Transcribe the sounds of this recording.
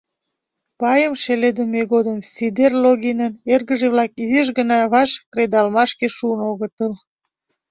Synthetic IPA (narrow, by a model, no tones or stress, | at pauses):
pɑjəmʃeled̪əmeɣod̪əmsʲid̪erloɣinənerɣəʒeβlɑkizeʒɣənɑβɑʃkred̪ɑlmɑʃkeʃuənoɣət̪əl